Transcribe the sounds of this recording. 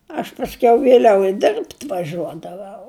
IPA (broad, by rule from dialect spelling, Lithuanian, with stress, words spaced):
ɐʃ pɐsʲˈkʲɛʊ ʋʲeːˈlʲɛʊ ɪ ˈdʲɪrʲpʲtʲ ʋɐˈʒʲuɔdɐʋɐʊ